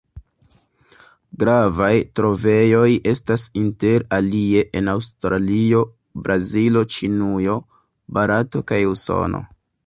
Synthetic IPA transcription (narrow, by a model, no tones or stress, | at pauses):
ɡɾavajtɾo̞ve̞jo̞je̞stasinte̞ɾalie̞ʔenawstɾalio̞ | bɾʔazilo̞t͡ʃinujo̞ | baɾato̞kajuso̞̰no̞̰